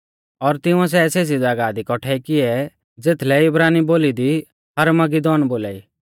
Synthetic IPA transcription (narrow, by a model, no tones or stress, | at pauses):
ɔːɾt̪ɪʊ̃ɛ̃s̬ɛseːs̬id͡zaɡaːd̪ikɔʈʰɛikɪɛ | d͡zeːt̪ʰlɛɪbɾaːniboːlid̪i | hɐɾmɐɡid̪ɔːnboːlaːḭː